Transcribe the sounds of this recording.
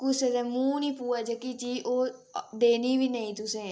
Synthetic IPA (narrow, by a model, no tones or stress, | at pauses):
kʊsezɛːmũːniːpuːad͡ʒəkit͡ʃiːʔoːd̪eːniːʋiːnəĩːt̪ʊsẽː